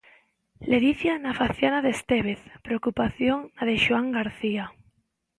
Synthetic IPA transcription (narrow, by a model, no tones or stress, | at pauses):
leðiθjanafaθjanaðest̪eβ̞eθpɾeokupaθjoŋnaðeʃuaŋɡaɾθia